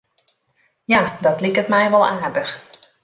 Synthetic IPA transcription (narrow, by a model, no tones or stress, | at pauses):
jadɔtlikətmɛjʋɔlˠaːɹdəx